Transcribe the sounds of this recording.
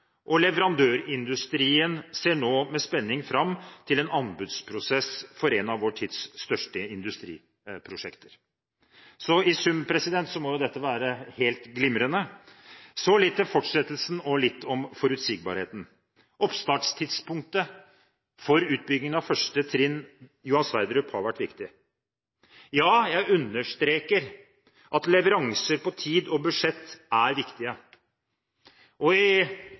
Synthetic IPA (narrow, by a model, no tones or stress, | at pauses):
ʔɔlɛʋəɾɑnd̪øːɾɪnd̪ʉst̪ɾiːənseːɳoːmɛspɛnːɪŋfɾɑmːt̪ʰɪlɛnɑnbʉd̪spʰɾʊsɛsfɔɾɛnɑʋʋoːʈʰiːd̪sːt̪œʂʈəɪnd̪ʉst̪ɾḭː | pʰɾʊʂɛkt̪əɾ | sɔɪsʉmpʰɾɛsɪd̪ɛnt̪sɔmɔjʊd̪ɛt̪ːəʋæːɾəheːlt̪ɡlɪmɾənə | sɔlɪt̪ːɛfɔʈʂɛt̪ːəlsn̩ɔlɪt̪ːɔmfɔɾʉt̪siːɡ̚bɑ̰ɾhḛːt̪n̩ | ʔɔpst̪ɑːʈʂt̪ʰɪd̪spʊŋk̚t̪ə | fɔɾʉːt̪̚bʏɡnɪŋənɑfœʂʈət̪ʰɾɪnːjʊhɑnsʋæɪd̪ɾʉphɑɾʋæʈːʋɪkt̪ɪ | jɑːjæɪʉnːəʂt̪ɾeːkəɾ | ʔɑt̪lɛʋəɾɑŋsəɾpɔt̪ʰiːd̪ɔbʉʂɛt̪ːæɾʋɪkt̪ɪə | ɔɪ